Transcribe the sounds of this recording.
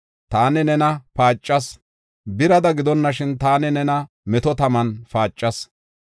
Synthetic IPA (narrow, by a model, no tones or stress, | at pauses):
t̪aːnɛnɛnɐpaːt͡ʃʼːɐs | bɪɾɐd̪ɐɡɪd̪ɔnːɐʃɪnt̪aːnɛnɛnɐ | mɛt̪ɔt̪ɐmɐnfaːt͡ʃʼːɐs